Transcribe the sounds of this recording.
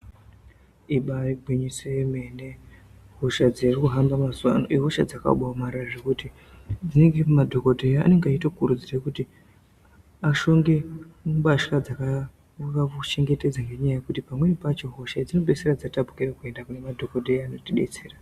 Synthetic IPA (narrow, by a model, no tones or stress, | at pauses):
iɓaiɡʱweɲiseme̞ne | ɦo̞ʃad͡zerikuɦambamaswa̰no̰iɦoʃa̰d͡zaka̰ɓamaɾaʐekuti | d͡zine̞ŋɡemadʱo̞ko̞dʱeja̰ːne̞ŋɡeaitokuɾud͡zirekuti | aʃo̞ŋɡe̞baʃkad͡zaka | kaut͡ʃe̞ŋɡe̞te̞d͡zaŋɡe̞ɲajajekutipamwe̞nipat͡ʃo̞ɦo̞ʃad͡zino̞ɓe̞serad͡zatapu̥kiɾakue̞ndakune̞madʱo̞kodʱejaːno̞tiɗe̞t͡seːra